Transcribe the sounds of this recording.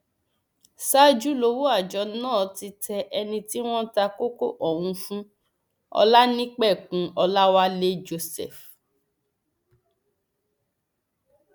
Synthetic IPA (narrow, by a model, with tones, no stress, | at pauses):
sa˦d͡ʒu˦lo˧wo˦a˦˨d͡ʒɔ˨˧nãː˦˨ti˧tɛ˧ʔɛ˧nĩ˧ti˦w̃ɔ̃˦ta˧ko˦ko˦ʔɔ˨w̃ũ˧fũ˦ | ɔ̰˧la˦nĩ˦k͡pɛ˦˨kũ˨˦ɔ˧la˦wa˦le˦d͡ʒo˧sɛ̰˨f